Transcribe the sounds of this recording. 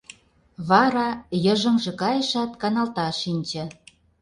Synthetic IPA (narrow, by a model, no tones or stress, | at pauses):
βɑɾɑjɤ̆ʒə̆mʒɤ̆kɑjə̆ʃɑt̪kɑnɑlt̪ɑʃinʲt͡ɕĕ